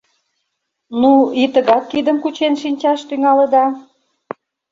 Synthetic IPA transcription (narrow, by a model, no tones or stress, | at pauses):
nuit̪əɣɑt̪̚kid̪əmkut͡ɕenʃinʲt͡ɕɑʃt̪yŋɑlə̆d̪ɑ